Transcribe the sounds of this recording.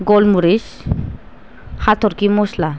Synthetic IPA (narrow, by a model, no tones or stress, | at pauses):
ɡɔlmuɾis | hat̪ʰɔɾkimɔsla